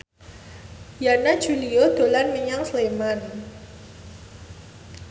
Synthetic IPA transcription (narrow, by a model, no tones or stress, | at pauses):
janad̥ʒ̥uliod̪̥o̤lanməɲaŋsleman